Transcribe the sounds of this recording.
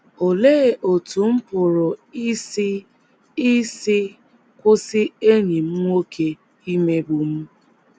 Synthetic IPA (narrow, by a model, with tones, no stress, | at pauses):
o˨le˦˨ʔo˨tu˨m̩˦pʊ˨ɾʊ˨˦ | i˦sɪ˦ | kʷʊ˦sɪ˦e˦ɲi˨m̩˦ŋo˦kʰe˦ | i˦me˦bu˨m̩˦